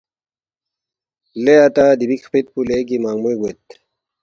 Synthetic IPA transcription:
leat̪aːd̪ibikʰpit̪̚puleɡimaːŋmujɡwet̪

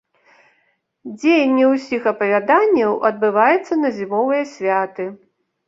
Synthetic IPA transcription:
d͡zʲejɐnʲːiwsʲixɐpɐvʲad̪anʲːɐwʔɐd̪̚bɨvajɛt̪sːɐnɐzʲimɔvɨjɐsʲvʲat̪ɨ

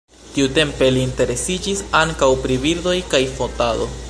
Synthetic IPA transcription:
tiute̞mpe̞liːnte̞ɾe̞sid͡ʒisaŋkawpɾibiɾdo̞jkajfo̞tado̞

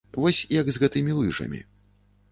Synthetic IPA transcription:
vɔsʲjɐɡzɣɛt̪ɨmʲilˠɨʐɐ̰mʲḭ

